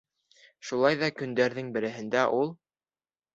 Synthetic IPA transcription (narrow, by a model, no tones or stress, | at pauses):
ʃulˠɑjðɑkɵ̆nd̪æɾðɘŋbɘ̆ɾɘ̆ɦɘ̆nd̪æʔulˠ